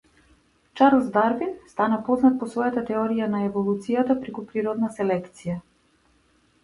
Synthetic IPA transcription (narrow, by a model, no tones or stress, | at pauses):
t͡ʃaɾlˠzd̪aɾvinst̪anapɔznat̪̚pɔsvɔjat̪at̪ɛɔɾijanaɛvɔlˠut̪sijat̪apɾɛkupɾiɾɔd̪nasɛlɛkt̪sija